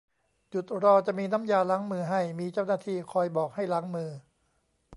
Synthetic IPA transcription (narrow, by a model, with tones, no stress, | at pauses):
t͡ɕu˨˩t̪̚ɾɔː˧t͡ɕa˨˩miː˧na˦˥mjaː˧laː˦˥ŋmɯː˧ɦa˥˩jmiː˧t͡ɕa˥˩wnaː˥˩t̪ʰiː˧˩kʰɔː˧jbɔː˨˩k̚ha˥˩jla˦˥ŋmɯː˧